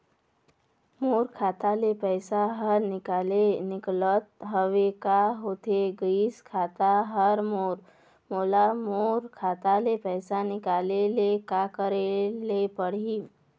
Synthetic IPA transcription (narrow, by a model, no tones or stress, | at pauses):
moːɾkʰaːt̪alepɛɪsaɦəɾnɪkaːlenɪklət̪̚ɦəʋekaɦoːt̪eɡiːskʰaːt̪aɦəɾmoːɾ | moːlamoːɾkʰaːt̪alepɛːsanɪkaːlelekakəɾelepəɽ̤i